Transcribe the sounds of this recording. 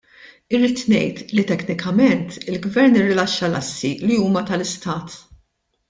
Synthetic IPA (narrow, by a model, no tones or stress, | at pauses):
ɪɾiːt̪nɛ̰jt̪lit̪ɛknɪkɐmɛnt̪ɪlɡvɛɾnɪrːɪlɐʃːɐlɐsːiliuːmɐt̪ɐlɪst̪ɐːt̪